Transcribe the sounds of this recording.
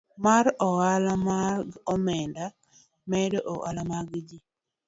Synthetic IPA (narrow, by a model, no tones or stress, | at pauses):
maɾɔalamaɡɔmɛnda | mɛdeʔoʔa̰lamaɡd͡ʒi